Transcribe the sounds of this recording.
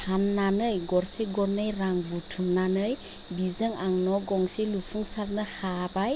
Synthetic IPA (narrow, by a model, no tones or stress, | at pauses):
hanːanəjɡɔɾseɡɔɾnəjraŋbutʰumnanəj | bizəŋaŋnɔɡɔŋselufuŋsarnəhabaj